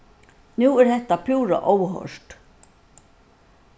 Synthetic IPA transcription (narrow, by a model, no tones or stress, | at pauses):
nuːɛɾðɛht̪apʰuːɾa̰ʔowɦɔ̰ʂt̪